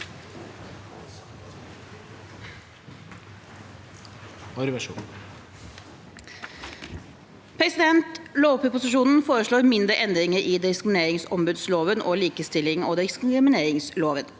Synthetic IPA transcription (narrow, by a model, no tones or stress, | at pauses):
ɔɾʋɛʂṵː | pʰɾɛsɪd̪ɛnt̪loːpəpʊsɪʂuːnn̩foːɾəʂɭoːɾmɪnd̪ɾəʔɛnd̪ɾɪŋəɾɪd̪ɪskɾɪmɪneːɾɪŋsɔmbʉd̪sloːʋənʔɔːliːkəst̪ɪlɪŋɔːd̪ɪskɪmɪneːɾɪŋsloːʋən